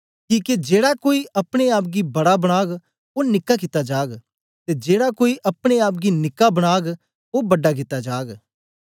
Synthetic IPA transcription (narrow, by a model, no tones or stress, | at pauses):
kiːked͡ʒeːɽakoːiʔɐpɽ̃eaːp̬̚ɡibɐɽabɐɽ̃aːɡ | onɪkːak̬ɪt̪ad͡ʒaːɡ | t̪ed͡ʒeːɽakoːiʔɐpɽ̃eaːp̬̚ɡinɪkːabɐɽ̃aːɡ | obɐɖak̬ɪt̪ad͡ʒaːɡ